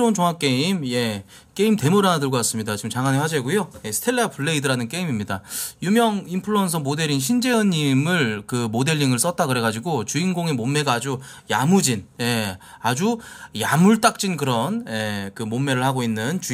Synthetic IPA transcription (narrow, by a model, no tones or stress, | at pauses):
ount͡ɕoŋɦak͈e̞imje̞ | k͈e̞imte̞muɾanadɯɭɡokas͈ɯmɲidat͡ɕiɡɯmt͡ɕaŋaneɸwad͡ʑeɡujoje̞sʰɯ̥tʰe̞lːeapʰuɭːe̞idɯɾanɯnk͈e̞imimɲidajumjʌŋimpʰɯɭʌns̬ʰʌmode̞ɾinɕ̬ʰind͡ʑe̞ɯɲːimɯɭkɯmode̞ʎːiŋɯɭs͈ʌt̚t͈akɯɾe̞ɣad͡ʑiɡot͡ɕuinɡoŋe̞momːe̞ɡaːd͡ʑu | jamud͡ʑinje̞ | ad͡ʑujamuɭt͈ak̚t͡ɕ͈inkɯɾʌnje̞kɯmomːe̞ɾɯɭhaɡoinːɯnt͡ɕu